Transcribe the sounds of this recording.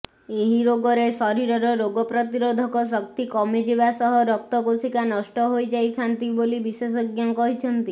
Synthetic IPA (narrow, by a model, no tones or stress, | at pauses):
eɦiɾoɡɔɾesɔɾiɾɔɾɔɾoɡɔpɾɔt̪iɾod̪ʱɔkɔs̬ɔk̚t̪ikɔmed͡ʒeβasɔɦɔɾɔk̚t̪ɔkosikanɔʃʈɔɦojd͡ʒajt̪ʰant̪ibolibisesɔɡjaŋkɔɦit͡ʃʰɔnt̪i